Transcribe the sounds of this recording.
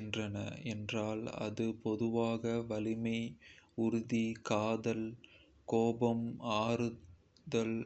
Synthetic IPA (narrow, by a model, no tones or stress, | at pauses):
ndrɐnɐ̰ɛndraːlɐ̰ðɯpɔðɯʋaːɣɐʋɐlɪmɐɪʊɾʊðikaːðɐl | koːbɐmaːɾɯ | ðɐl